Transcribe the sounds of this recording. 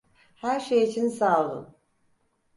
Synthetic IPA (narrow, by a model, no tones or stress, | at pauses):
hæɾʃejit͡ʃʰinsaːlˠṵn